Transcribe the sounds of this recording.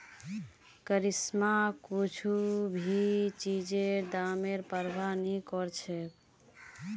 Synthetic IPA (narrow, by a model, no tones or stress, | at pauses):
kəɾismakut͡ʃʰubʱit͡ʃid͡ʒeɾd̪ameɾpəɾbʱanikɔɾt͡ʃʰɛ